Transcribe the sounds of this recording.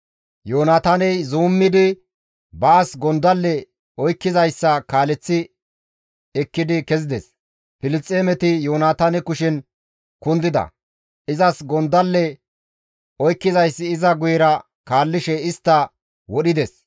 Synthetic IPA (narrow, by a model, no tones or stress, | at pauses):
joːnaːt̪aːnɛjzuːmːɪd̪ɪ | bɐːsɡɔnd̪ɐlːɛ | ɔjkːɪzɐjsːɐkaːlɛt͡sːɪ | ɛkːɪd̪ɪkɛzɪd̪ɛs | pɪlɪt͡sʼːeːmɛt̪ɪjoːnaːt̪aːnɛkʊʃɪn | kʊnd̪ɪd̪ɐ̰ | ɪzɐsɡɔnd̪ɐlːɛ | ɔjkːɪzɐjsːɪːzɐɡʊjɛɾɐ | kaːlːɪʃɛɪst̪ːɐ | wɔɗɪd̪ɛs